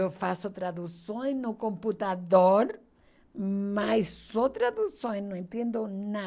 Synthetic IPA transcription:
ofasot̪ɾaðusõj̃nʊkõmput̪aðoɾ | majssot̪ɾaðusõj̃nõẽnt̪jẽnd̪ona

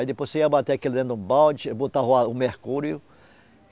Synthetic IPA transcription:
jd̪epojseiabat̪eakeld̪ẽnd̪ũbawt͡ʃbot̪aɦaʊmehkuɾjʊ

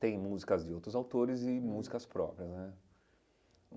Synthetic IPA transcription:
t̪ẽj̃muzikɐzd͡ʒɪowt̪ɾʊzawt̪oɾɪzɪmuzikɐspɾɔ̰pɾiɐsnɛ

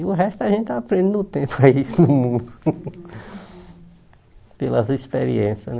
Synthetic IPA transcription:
ʊɦɛst̪ʊɐʒẽnt̪apɾẽd̪ʊt̪ẽpaisd̪ʊmũd̪ʊ̥ | pelɐzispḛɾḭẽsjɐn

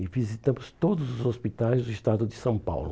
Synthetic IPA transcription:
ivizit̪ɐ̃mʊst̪od̪ʊzʊzospit̪ajzd̪ʊiʃt̪ad̪ʊd̪ɪsɐ̃w̃pa̰wlʊ

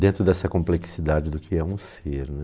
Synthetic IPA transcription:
d̪ẽnt̪ɾʊd̪ɛsɐkõpleksid̪ad͡ʒɪd̪ʊkʰɪɛũseɾnɛ

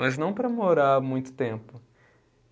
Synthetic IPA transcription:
ɐznɐ̃w̃pɾɐmoɾaɾmũj̃t̪ʊ̥t̪ẽmpʊ

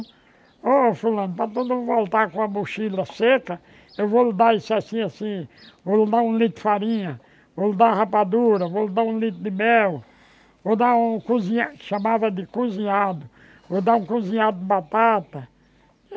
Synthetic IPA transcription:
ofulɐ̃nʊpɾɐt̪od̪ũvolt̪aɾkõɐmuʃilɐsekɐ | ewvolɪd̪aisasĩasĩ | volɪd̪aũlit̪faɾĩɲɐ | volɪd̪ahapad̪uɾɐvolɪd̪aũlit̪ʊd̪ɪmɛw | vod̪aũkuzĩaʃamavɐd̪ɪkuzĩɲad̪ʊ | vod̪aũkuzĩɲad̪ʊbat̪at̪ɐ

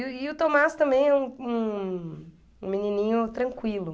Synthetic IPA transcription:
ɪʊt̪omast̪ɐ̃mbẽj̃ɛũũ | ũminĩnĩɲʊt̪ɾɐ̃ŋkwilʊ

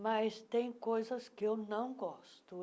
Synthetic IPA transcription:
mɐst̪ẽj̃kojzɐskɪewnɐ̃w̃ɡɔst̪ʊ

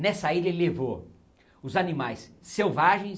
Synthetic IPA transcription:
nɛsɐiʎɐlevo | ʊzanĩmajsː | ewvaʒẽj̃

